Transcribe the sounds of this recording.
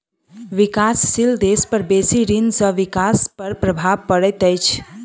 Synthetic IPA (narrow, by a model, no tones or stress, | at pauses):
ʋikasːild̪espəɾbesiɾinsəʋikaspəɾpɾəbʱabpəɽɛt̪əjt͡ʃʰ